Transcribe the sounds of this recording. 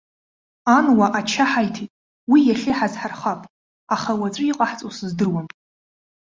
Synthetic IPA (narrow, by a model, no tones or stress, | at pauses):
anwaʔat͡ʃʰaħajtʰitʼ | wijaɬʲeħazħarχapʼ | aχawat͡sʷʼɨiqʼaħt͡sʼowsɨzdɨrwan